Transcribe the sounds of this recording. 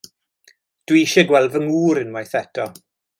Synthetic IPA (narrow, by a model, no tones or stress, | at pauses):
d̥wiʃɛɡwɛlˠvəŋuːɾɨnmajθɛtʰɔ